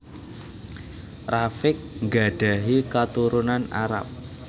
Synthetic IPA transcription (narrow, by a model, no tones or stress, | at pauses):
rafɪk̚ŋɡa̤ɖ̥a̤ɦikat̪uɾunana̰ɾa̰p̚